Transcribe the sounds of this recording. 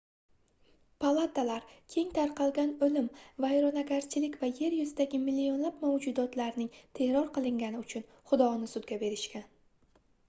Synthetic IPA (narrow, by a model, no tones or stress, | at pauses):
pʰalˠat̪alaɾkʲʰe̞ŋt̪ʰaɾqʰɑlˠɡʲanɵlɪmvajɾonaɡʲaɾt͡ʃʰɪlɪkʲvaje̞ɾjʊzɪd̪aɡʲɪmɪlːio̞nlapmawd͡ʒʊd̪ɒt̪laɾnɪŋt̪ʰe̞kɾɒɾqɨlˠɪŋɡʲanɪʊt͡ʃʰʊn | χʊd̪ɒnɪsʊd̪ɡʲabe̞ɾɪʃkʲan